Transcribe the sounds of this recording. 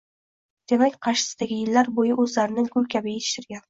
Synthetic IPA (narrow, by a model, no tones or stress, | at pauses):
d̪̥e̞makʲqʰɑʃɪ̥sɪ̥d̪aɡʲɪjɪlːaɾbojɪʔɵzlaɾɪnɪɡʊlkʲʰabɪet̪ʰɪ̥ʃt̪ɪɾɡʲan